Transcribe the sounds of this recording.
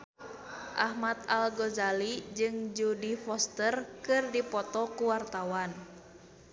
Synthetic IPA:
ʔahmat̪alɡɔzalid͡ʒɨŋd͡ʒudifɔst̪ərkɨrdipɔt̪ɔkuwart̪awan

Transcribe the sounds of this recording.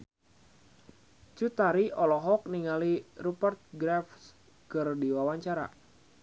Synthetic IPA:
t͡ʃut̪aɾiɔlɔɦɔk̚niŋalirupərt̪̚ɡɾafs | kɨrdiwawaɲt͡ʃaɾa̰

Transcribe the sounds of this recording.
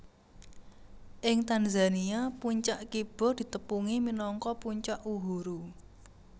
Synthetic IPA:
ʔɪŋt̪anzaniapuɲt͡ʃaʔkib̥ɔ̤d̪̥i̤t̪əpuŋiminɔŋkɔpuɲt͡ʃaʔuɦuɾu

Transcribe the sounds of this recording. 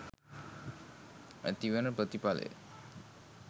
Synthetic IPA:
ə̰t̪iʋənəpət̪ipalḛ

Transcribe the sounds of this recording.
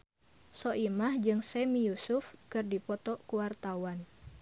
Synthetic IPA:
sɔʔimahd͡ʒɨŋsɛmijusufkɨrdipɔt̪ɔkuwart̪awan

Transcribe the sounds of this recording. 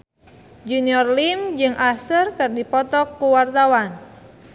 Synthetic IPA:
d͡ʒuniɔrlimd͡ʒɨŋʔasərkɨrdipɔt̪ɔkːuwart̪awan

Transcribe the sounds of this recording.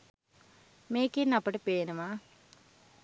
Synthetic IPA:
meːkinɐpːɐʈɐpeːnɐma

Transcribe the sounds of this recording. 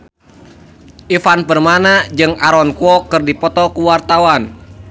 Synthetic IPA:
ʔifanpərmanad͡ʒɨŋaɾɔnkuɔkɨrdipɔt̪ɔkuwart̪awan

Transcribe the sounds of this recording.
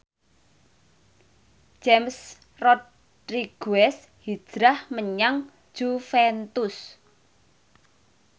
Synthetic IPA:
ʒ̥ɛms | rɔt | riɡ̥uɛs | hi̥ʒ̥ɾahməɲaŋ̥ | ʒ̥ufɛnt̪ʊs

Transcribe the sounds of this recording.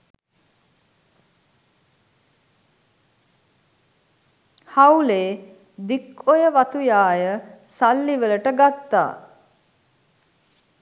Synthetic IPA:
hawleː | d̪ikojəʋat̪ujaːjəsalːiʋələʈəɡat̪ːa̰ː

